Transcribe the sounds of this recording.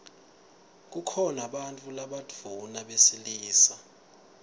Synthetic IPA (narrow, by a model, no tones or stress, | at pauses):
k̬ukʰɔnaɓantʼulaɓadd͡v̥ʱunaɓesiliːsa